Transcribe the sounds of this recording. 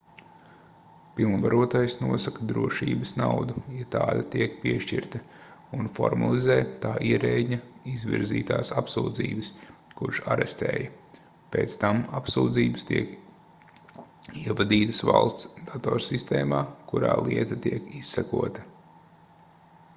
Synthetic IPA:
pilˠnvaɾuɔt̪ajsnuɔsakɐd̪ɾuɔʃiːbɐsnawd̪ujɛt̪aːd̪ɐt̪iɛkpiɛʃcḭɾt̪ɐ | unfɔ̰ɾma̰lˠizɛjt̪aːʔiɛɾɛɲɐizvʲḭɾziːt̪aːsapsuːd̪zḭːbəskuɾʃaɾɛst̪ɛ̰ːjɐ | peːt̪st̪amapsuːd̪ziːbst̪iɛk | iɛvad̪iːt̪ɐ̥sva̰lˠst̪sd̪̥at̪ɔːɾsist̪ɛːmaːkuɾa̰ːlˠiɛt̪ɐt̪iɛkisːɛkuɔt̪ɐ

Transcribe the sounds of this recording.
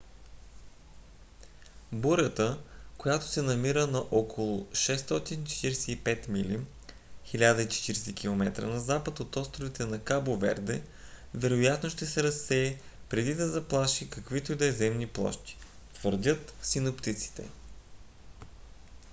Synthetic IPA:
buɾʲət̪əkojat̪o̥sɛnɐmiɾənɐʔokolˠʊʃɛst̪ɔt̪int͡ʃɛ̥t̪iɾɛsɛipɛt̪mili | xilʲad̪əit͡ʃɛ̥t̪iɾɛsɛk̟ʰʲilˠomɛt̪ɾə̰nɐzapət̪ot̪ɔst̪ɾovit̪ɛnɐkabovɛ̰ɾd̪ɛ | vɛɾojat̪noʃt̪ɛsɛɾɐsːɛɛpɾɛd̪id̪ɐzɐplˠaʃikɐkvit̪oid̪ɛzɛmniplˠɔ̰ʃt̪i̥ | t̪vəɾd̪ʲɤt̪sinopt̪it̪si̥t̪ɛ̰

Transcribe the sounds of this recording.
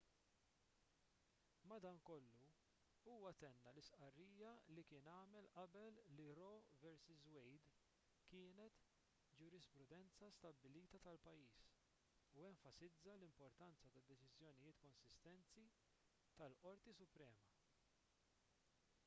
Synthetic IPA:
mɐd̪ɐːŋkɔlːu | uːwɐt̪ɛnːɐlɪsʔɐrːiːjɐlikɪːnɐːmɛlʔɐbɛlːiɾɔvɛɾsɪzwɛjd̪ | kɪːnɛt̪ | d͡ʒʊɾɪspɾʊd̪ɛnt͡sɐst̪ɐbːɪliːt̪ɐt̪ɐlpɐjːiːs | uɛɱfɐsɪd͡zːɐlɪmpɔɾt̪ɐnt͡sɐt̪ɐd̪ːɛt͡ʃɪzjɔnɪjɪːt̪kɔnsɪst̪ɛnt͡si | t̪ɐlʔɔɾt̪isʊpɾɛːmɐ

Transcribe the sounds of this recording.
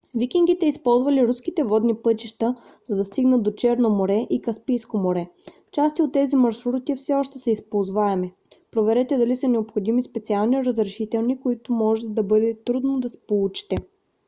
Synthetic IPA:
vikiŋɡit̪ɛispɔlˠzvɐliɾuskit̪ɛvɔd̪nipɤt̪iʃt̪əzɐd̪ɐst̪iɡnət̪d̪ot͡ʃɛɾnomoɾɛʔikɐspijskomoɾɛft͡ʃast̪iot̪ːɛzimɐɾʃɾɾut̪ifsɛɔʃt̪ɛsɛispolˠzvaɛmɛ | pɾovɛɾɛt̪ɛd̪ɐlisɐnɛopxod̪imispɛt̪sialˠniɾɐzɾɛʃit̪ɛlˠnikoit̪ʊmɔʒɛt̪ɛd̪ɐbɤd̪ɛt̪ɾud̪nod̪ɐsɛ̥polˠut͡ʃi̥t̪ɛ

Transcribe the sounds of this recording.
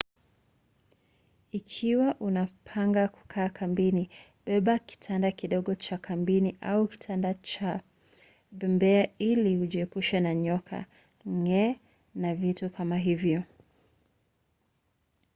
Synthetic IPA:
ikʰiwaʔunapʰaŋɡaku̥kʰaːkʰambini | ɓɛɓaki̥tʰandakiɗɔɠɔt͡ʃakʰambiniʔa̰uki̥tʰandat͡ʃa | ɓɛmbɛailiuʄiɛpuʃɛnaɲɔkʰa̰ | ŋɛ | navitukʰamaɦivjɔ

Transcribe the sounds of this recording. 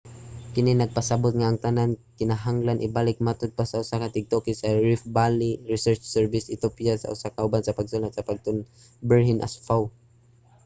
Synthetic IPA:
kɪninaɡ̚pasabʊt̪̚ŋaːŋt̪anankɪnaɦaŋlanʔɪbalɪk̚mat̪ʊd̪̚pasaʊsakat̪ɪɡ̚t̪okɪsaɹɪfbalɪɹɪsɛɹt͡ʃsɛɹvɪsɪt̪opijasa̰ʔʊsakaʊbansapaɡsʊnat̪̚sapaɡ̚t̪ʊn | bɛɹɦɪnʔa̰sfaw

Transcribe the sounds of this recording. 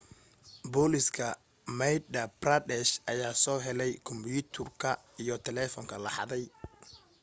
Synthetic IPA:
bɔlɪskʰɐ | mɛjdɐbrɐd̪ɛʃʔɐjaːsɔːɦɛlɛjkʰʊmbʊt̪ʰʊrkʰɐ | ijɔt̪ʰɛlɛːfɔŋkʰɐlɑħɑ̰ðɛj

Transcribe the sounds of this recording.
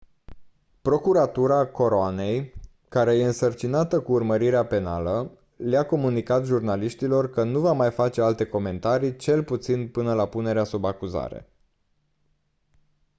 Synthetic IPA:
pɾo̞kuɾat̪uɾako̞ɾoane̞j | kaɾe̞je̞ɨnsərt͡ʃinat̪əkuːrməɾiɾeape̞na̰lə | leako̞munikat̪ʒurnaliʃt̪ilo̞rkənuvamajfat͡ʃe̞alt̪e̞ko̞me̞nt̪aɾit͡ʃe̞lput̪sinpɨnəlapune̞ɾeasubakuza̰ɾe̞̰

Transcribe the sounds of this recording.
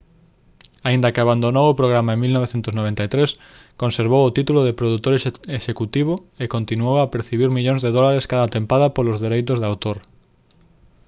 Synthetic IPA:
aind̪ɐkɪaβand̪onowʊpɾoɣ̞ɾamaeŋmilnɔβeθent̪ʊznoβ̞ent̪ait̪ɾes | kõnseɾβowʊt̪it̪ulʊðɪpɾoðut̪oɾeʃekut̪iβ̞ʊekont̪inuowapeɾθiβiɾmiʎõŋzðeðɔlaɾeskaðat̪empaðɐpolʊzðeɾejt̪ʊzðawt̪oɾ

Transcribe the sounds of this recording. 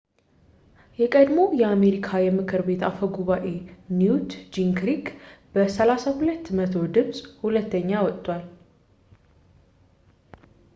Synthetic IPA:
jɛkʼəd̪mo̞jɛame̞ɾikʰajɛmɨkʰɨɾbe̞t̪ʰafəɡuβaʔe̞njut̪d͡ʒiŋkɾikb̥əsəlasahulət̪ːmət̪ʰo̞d̪ɨβsʼhulət̪ːəɲːawɔt̪ʼːwal

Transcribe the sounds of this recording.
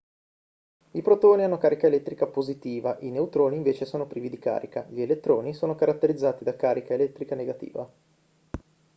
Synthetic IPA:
ipɾot̪oːnianːokaːɾikaelɛt̪ːɾikapozit̪iːvaʔineut̪ɾoːniːɱveːt͡ʃesoːnopɾiːvid̪ika̰ːɾika̰ʎielet̪ːɾoːnisoːnokaɾat̪ːeɾid̪zːaːt̪id̪akaːɾikaelɛt̪ːɾikaneɡat̪ḭːva

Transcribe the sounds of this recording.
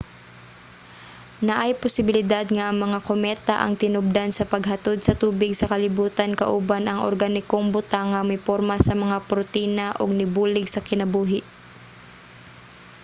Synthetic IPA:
nɐʔajpʊsɪbɪlɪd̪ad̪ŋɐʔɐŋmɐŋakomɛːt̪a̰ʔɐ̰ŋt̪ɪnʊb̚d̪ansɐpɐɡɦɐt̪od̪sɐt̪uːbɪɡsɐkɐlɪbuːt̪ankɐ̰ʔʊbanʔɐŋʔo̰ɾɡanɪkoŋbʊt̪aŋːɐmɪpoɾmasɐmɐŋapɾʊt̪iːnaʔoɡ̚nɪbuːlɪɡsɐkɪnɐbuːɦɪʔ

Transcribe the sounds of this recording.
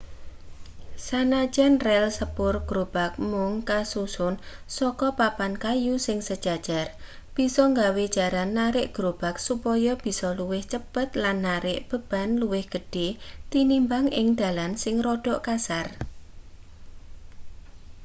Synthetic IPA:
sanḁd͡ʒɛnrɛlsəpʊrɡ̥ɾob̥ak̚mʊŋkasusʊn | sɔkɔpapankajusɪŋsəd̥ʒ̥a̤d̥ʒ̥ar | b̥i̤sɔŋɡawed̥ʒ̥a̤ɾanːaɾɪʔɡ̥ɾob̥a̤k̚supɔjɔb̥i̤sɔluwɪht͡ʃəpət̪lanːaɾɪʔb̥ə̤b̥a̤nluwɪhɡ̥ə̤ɖ̥et̪inimbaŋɪŋd̪̥a̤lansɪŋrɔɖ̥ɔʔkasar

